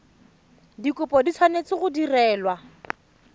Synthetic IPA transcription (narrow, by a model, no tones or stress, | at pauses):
dikʊpɔdit͡sʰwanet͡sɪɣʊdirɛːlwa